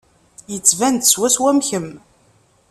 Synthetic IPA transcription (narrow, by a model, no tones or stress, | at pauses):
jət͡sːvænt̪swæswæmçəm